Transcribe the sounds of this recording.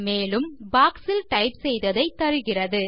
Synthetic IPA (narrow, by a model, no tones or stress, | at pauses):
meːlɯmbaːksɪlʈɐɪpsɛjðɐðɐɪt̪ːɐɾɯɣɪrɐðɯ